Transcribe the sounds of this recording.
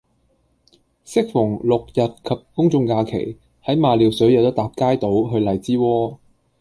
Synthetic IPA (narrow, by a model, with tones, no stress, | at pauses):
sɪ˥k̚fʊ˨˩ŋlʊ˨k̚jɐ˨t̚kʰɐ˨p̚kʊ˥ŋt͡sʊ˧ŋkaː˧kʰḛ˨˩j | hɐ˨˥jmaː˨liː˨˩wsɵ˨˥ɥjɐ˨˧wt̪ɐ˥t̪aː˨˩p̚kaː˥jt̪o˨˥wɦɵ˧ɥlɐ˨˩jt͡siː˥wɔː˥